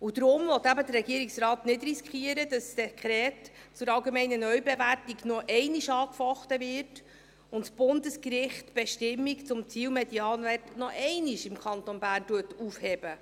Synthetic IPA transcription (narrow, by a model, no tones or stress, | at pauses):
ud̥̪ɾʊmvɔt̪ːæbədərɛɡiəɾiksrɑːtnɪdriskχiəɾəd̥ɑsdɛkχɾɛːt | t͡sʊɾɑlɡemɛɪnənœɥbɛværtiɡnɔʔɛɪniʃɑːkfɔχtəvɪrt | ʊntsb̥ʊndəskɾɪχtb̥ɛʃtɪmːikt͡sʊmt͡siːlmɛdiɑːnværtnɔʔɛɪniʃɪmkʰχɑntɔnbæːrntuətuːfhɛb̥ə